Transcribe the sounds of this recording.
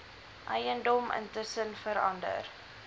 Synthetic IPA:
ʔɛjəndɔmə̰ntəsənfəɾɐ̰ndə̰r

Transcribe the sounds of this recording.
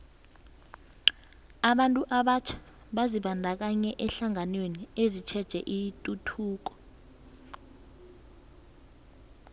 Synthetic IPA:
aɓantʼuʔaɓat͡ʃʰḁ | ɓaziɓandʱak̬aɲɛʔɛɬaŋanweniezit͡ʃʰɛd̥ʒ̥ʱɛ̰ʔitʼutʰuːk̬ɔ̥

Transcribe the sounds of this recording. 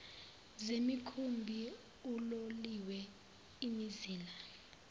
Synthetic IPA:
zemikʰumbʱi | uloliwɛ | imiziːla

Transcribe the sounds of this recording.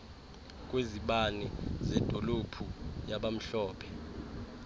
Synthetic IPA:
k̬ʼweziɓanizɛd̥ʱolopʰujaɓam̩ɬɔːpʰɛ̥

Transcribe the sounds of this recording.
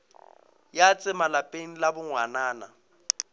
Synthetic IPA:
jat͡sʼɪmalapʼeŋ̩labʊŋwanaːna

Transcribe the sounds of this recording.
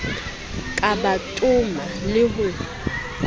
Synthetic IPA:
kʼabatʼumalɪɦʊ

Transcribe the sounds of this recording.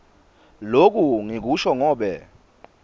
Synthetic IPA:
lok̬ʼuŋik̬uʃɔŋɔːɓɛ

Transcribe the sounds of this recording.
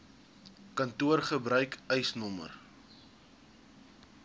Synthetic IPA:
kɐntuərχəbɾœɥkœjsnɔmə̰r

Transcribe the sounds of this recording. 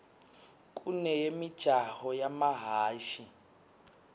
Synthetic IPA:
kʼunɛjemid̥ʒ̥ʱahɔjamaɦaːʃi

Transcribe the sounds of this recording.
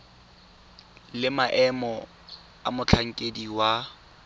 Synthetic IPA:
lɪmaʔɛmɔ | a̰mʊt͡ɬʰaŋ̩kʼediwa

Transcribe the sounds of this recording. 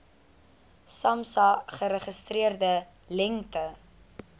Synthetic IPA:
sɐmsɐχəɾəχəstriərdə | lɛŋtə

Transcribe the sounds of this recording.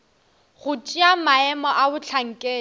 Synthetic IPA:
ɣʊt͡ʃʼiamaɛmɔʔabʊt͡ɬʰaŋ̩kʼɛː

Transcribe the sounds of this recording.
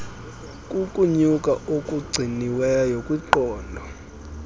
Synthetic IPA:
kʼukʼuɲukʼaʔokʼuɡ͡ǀʱiniwɛjajokʼwiǃɔːndʱɔ

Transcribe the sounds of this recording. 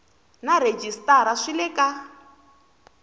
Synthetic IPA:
naɾed͡ʒistaɾaʂilɛka

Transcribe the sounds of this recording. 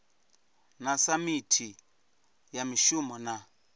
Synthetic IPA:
nasamitʰi | jamiʃumɔna

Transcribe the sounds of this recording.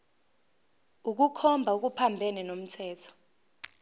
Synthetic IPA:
uk̬ukʰɔmbʱauk̬upʰambʱɛnɛnom̩tʰɛːtʰɔ̥

